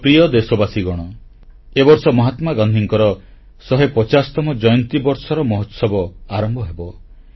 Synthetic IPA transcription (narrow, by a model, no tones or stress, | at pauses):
pɾijɔd̪esɔbasiɡɔɽ̃ɔ | ebɔɾsɔmɔɦat̪maɡɔnd̪ʱiŋkɔɾɔ | sɔɦepɔt͡ʃasɔ̥t̪ɔmɔd͡ʒɔjɔnt̪ibɔɾsɔɾɔmɔɦɔt̪sɔbɔaɾɔmbʱɔɦebɔ